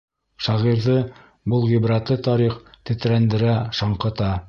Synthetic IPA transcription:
ʃɑʁiɾðɤ | bɤlˠʁibɾɑt̪lˠɤt̪ɑɾiχt̪ɘ̆t̪ɾænd̪ɘ̆ɾæʃɑɴqɤ̆t̪ɑ

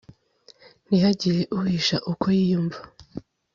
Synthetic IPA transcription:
niɦaɟiɾe̞ʔuhiʃaʔukʰojijuːɱva

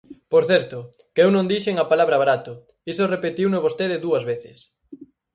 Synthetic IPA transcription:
poɾθɛɾt̪ʊ | kewnõŋd̪iʃeŋɐpalaβɾɐβaɾat̪ʊ | isorepet̪iwnoβost̪eðɪðuɐzβeθɪs

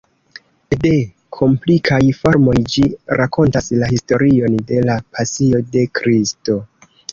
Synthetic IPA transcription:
de̞ | kʰo̞mplikʰajfo̞ɾmo̞jd͡ʒiɾʔako̞ntaslahisto̞ɾio̞nde̞lapʰasio̞de̞kɾisto̞

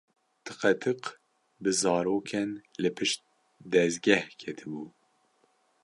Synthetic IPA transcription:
t̪ʰɨqɛt̪ʰɨq | bɨzɑːɾoːkʰɛnlɨpʰɨʃt̪̚ | d̪ɛzɡɛhkʰɛt̪ʰɨbuː

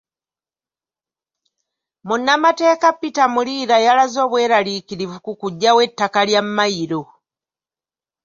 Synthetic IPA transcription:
munːamate̞ːkapːitamuliːɾajalazo̞ːβwe̞ːɾaliːkiɾivukukuɟːawe̞tːakaljamːaiɾo̞

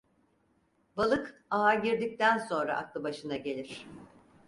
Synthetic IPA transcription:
balˠɯkaɦaɟiɾd̪ic̚t̪ʰænso̞nɾa̰ʔa̰klˠɯbaʃɯnaɟe̞lʲiɾ̝̥

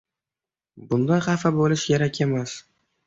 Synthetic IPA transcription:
bʊnd̪ajχɑfabolɪʃjaɾakʰʲe̞mas

